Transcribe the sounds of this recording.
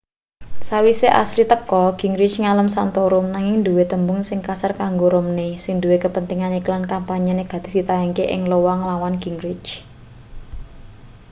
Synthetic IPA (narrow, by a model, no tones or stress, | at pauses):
sawiseʔa̰slit̪əkɔɡ̥i̤ŋɾɪd̥t͡ʃŋaləmsant̪ɔɾʊmnaŋɪŋd̪uwet̪əmbʊŋsɪŋkasarkaŋɡoɾomnesɪŋd̪uwekəpənt̪iŋaniklankampaɲaneɡ̥a̤d̪t̪e̤̥hd̪̥i̤t̪ajaŋkeʔɪ̰ŋlowaŋlawanɡ̥i̤ŋɾɪ̥t͡ʃ